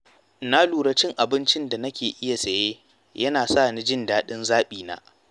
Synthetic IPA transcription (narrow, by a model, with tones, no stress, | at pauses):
na˦luː˨ɽɐ˨t͡ʃɪ˦ŋʔa˨bɪ˦nt͡ʃɪ˦nda˨nɐ˦kʲeː˨ʔɪ˦ja˨sɐ˨jeː˦ | jɐ˦naː˨sa˦˨ni˦d͡ʒɪ˦ndaː˦ɗɪ˦nzaː˦ɓiː˨na̰ː˦